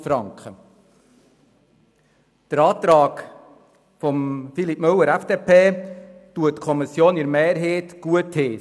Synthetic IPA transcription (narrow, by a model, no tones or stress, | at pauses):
fɾɑŋkχə | d̥əɾɑːt̪ɾɑːk | fɔmfilipmɵwːəɾæfd̥eːpʰeːtuətkʰɔmisjoːniɾmeːɾɦeːtɡ̥uətheː